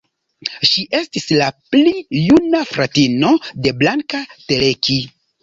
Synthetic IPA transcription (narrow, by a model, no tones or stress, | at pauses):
ʃiʔe̞stislaplijunafɾatino̞de̞blaŋkateleki